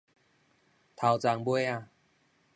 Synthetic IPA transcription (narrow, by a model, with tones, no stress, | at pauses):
t̪ʰa˨˩wt͡sa˨˦ŋbwe˦a˧˨